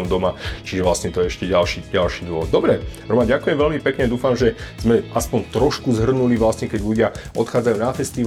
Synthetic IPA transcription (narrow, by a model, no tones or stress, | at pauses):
ɔmd̪ɔmat͡ʃiʒɛʋlastɲɛt̪ɔjɛɛʃcɛɟalʃiɟalʃiːd̪ʋɔʋɔd̪̚d̪ɔbɾɛɾɔmanɟakujɛmʋɛʎmipɛkɲɛd̪uːfamʒɛz̥mɛaspɔɲt̪ɾɔʃkuzɦr̩nuliʋlasɲɛkɛɟʎuɟɪaʔɔt̪xaːd͡zajuːnafɛst̪iʋ